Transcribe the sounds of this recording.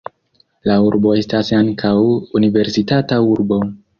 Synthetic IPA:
lauɾbo̞e̞stasaŋkʰawunive̞ɾsitatauɾbo̞

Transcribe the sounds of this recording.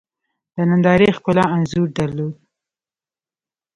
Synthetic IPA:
d̪ənand̪ɑɾexkʊlɑanzuɾd̪aɾlod̪̚

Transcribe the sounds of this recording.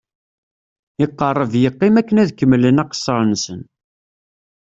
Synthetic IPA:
ɪqːərˤːəvjəqːimækːənæðkəmːlənɑqə̥sˤːəɾˤənsən

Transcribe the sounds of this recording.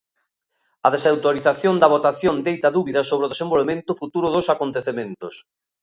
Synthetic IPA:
ɐðesawt̪oɾiθaθjond̪ɐβot̪aθjond̪ejt̪ɐðuβiðɐsoβ̞ɾɪʊð̞esẽmbolβemẽnt̪ʊfut̪uɾʊðosakont̪eθemẽnt̪ʊ̰s

